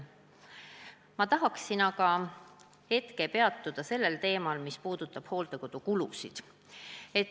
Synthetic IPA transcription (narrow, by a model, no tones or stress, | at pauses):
mɑt̪ɑɦɑksinɑkɑ | he̞t̪ke̞pe̞ɑt̪ːˑud̪̥ɑse̞lːe̞lt̪e̞ːmɑlmispuːd̪̥ut̪ːˑɑb̥ho̞ːlt̪e̞ko̞d̪̥ukulusḭd̪̥ | e̞t̪